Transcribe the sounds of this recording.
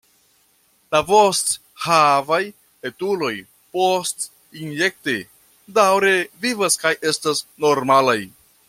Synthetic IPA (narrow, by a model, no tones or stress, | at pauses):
lavo̞st | havaj | etulo̞j | post | inje̞k̚te | dawɾe̞vivaskajʔe̞stasno̞ɾmalaj